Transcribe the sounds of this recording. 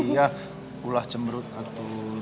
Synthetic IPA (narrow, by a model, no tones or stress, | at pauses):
ija | pulaht͡ʃəmbəɾut̪̚at̪u